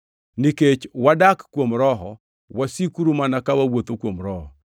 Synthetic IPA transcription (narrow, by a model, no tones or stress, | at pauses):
niket͡ʃwadakːwomɾɔɦɔ | wasikuɾumanakawawot̪okwomɾɔɦɔ